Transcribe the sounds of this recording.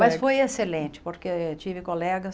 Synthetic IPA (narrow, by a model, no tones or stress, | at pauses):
mɐsfojeselẽt͡ʃɪ̥poɾket͡ʃivɪkolɛɡɐs